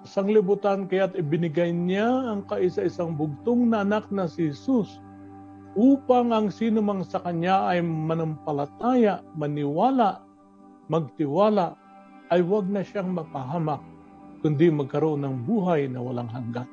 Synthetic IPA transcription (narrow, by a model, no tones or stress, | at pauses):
ɪsaŋlɪbʊt̪ankɐjat̪ɪbɪnɪɡajnjaːŋkaʔɪsaʔɪsaŋbʊɡ̚t̪oŋnɐʔɐnak̚nɐsɪhɛsus | ʔuːpaŋɐŋsiːnʊmaŋsɐkɐɲjaʔɐjmɐnɐmpɐlat̪aːjaʔmɐnɪwaːlaʔ | mɐɡ̚t̪ɪwaːlaʔ | ʔɐjwaɡ̚nɐʃaŋmɐpaɦaːmak̚ː | ʊnd̪ɪmɐɡ̚kɐɾoʔonːɐŋbuːɦajnɐwɐlaŋɦaŋɡat̪